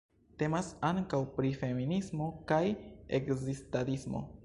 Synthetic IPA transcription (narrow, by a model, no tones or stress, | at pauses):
te̞masaŋkawpɾife̞minismo̞kajḛkzistaɾismo̞̰